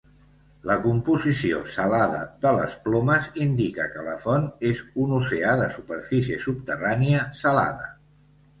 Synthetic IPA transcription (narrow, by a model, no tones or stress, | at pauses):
ləkumpuzisio̰səlaðəðələ̰splɔməzind̪ikəkələfɔnezunuseaðəsupəɾfisiəsupt̪əraniəsəla̰ðə